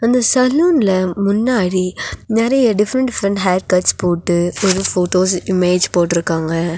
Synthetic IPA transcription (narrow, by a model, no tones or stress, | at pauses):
ɐnd̪ɐsɐlːuːnɪlɐmʊnːaːɽinɛɾɐjɐɖɪfɾɐɳʈɖɪfɾɐɳʈɦaːɖ̚kɐʈspoːʈːɯɔɾɯfoːʈoːs̬ɪmeːd͡ʒpoːʈːɪɾɯkːaːŋɡɐ